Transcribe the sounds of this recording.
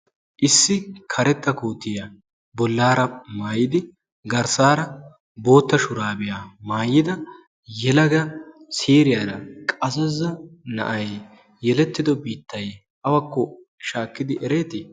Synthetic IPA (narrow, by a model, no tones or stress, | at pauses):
ʔɪsːɪkʰɐɾɛt̪ːɐkuːt̪ːɪjɐ | bɔlːaːɾɐmaːjɪd̪ɪ | ɡɐɾsaːɾɐ | bo̞ːt̪ːɐʃʊɾaːbɪjaːmaːjːɪd̪ɐ | jɛlɐɡɐsiːɾɪjɐːɾɐkʼɐsɛzɐnɐ̰ʔɐj | jɛlɛt̪ːɪd̪ɔbiːt̪ːɐj | ʔɐwɐkːɔ | ʃaːkːɪd̪ɪʔɛɾeːt̪ɪ